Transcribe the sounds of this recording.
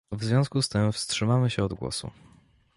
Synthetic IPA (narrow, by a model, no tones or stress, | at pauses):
vzvʲjɔ̃w̃skust̪ɘmfstʂɘmamɘɕɛɔd̪ɡwɔ̰sṵ